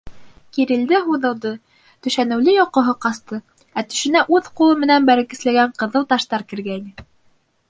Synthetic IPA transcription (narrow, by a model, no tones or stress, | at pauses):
kiɾɘ̆ld̪ɘɦuðɤ̆lˠd̪ɤ | t̪ɵ̆ʃænɘ̆wlɘjoqŏɦɤqɑst̪ɤ | æt̪ɵ̥̆ʃɘ̆næʔʉðqulˠɤmɘ̆nænbæɾɘ̆kɘ̆slæɡæɴqɤ̆ðɤlˠt̪ɑʃt̪ɑɾkɘ̆ɾɡæinɘ